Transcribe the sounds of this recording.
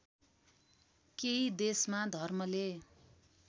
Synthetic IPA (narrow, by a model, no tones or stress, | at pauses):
keid̪esmad̪ʱʌrmʌle